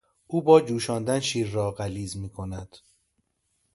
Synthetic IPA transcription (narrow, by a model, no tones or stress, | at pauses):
ʔuːbɒːd͡ʒuːʃɒːnd̪ænʃiːɾːɒːɢæliːzmiːkʰo̞næd̪̥